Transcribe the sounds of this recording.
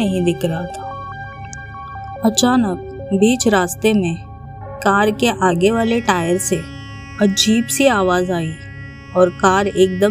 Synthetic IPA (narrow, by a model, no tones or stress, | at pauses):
ɐɦĩd̪ɪkɾɦat̪ʰaː | ɐt͡ʃaːnək̚ | biːt͡ʃɾaːst̪emẽ | kaːɾkeʔaːɡeʋaːleʈaːjəɾse | ɐd͡ʒiːbsiaːʋaːzaːi | ɔːɾkaːɾeːk̚d̪ə